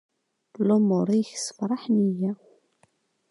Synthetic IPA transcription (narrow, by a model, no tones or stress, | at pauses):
lːʊmʊɾˤiçsə̥fɾˤɑħnijæw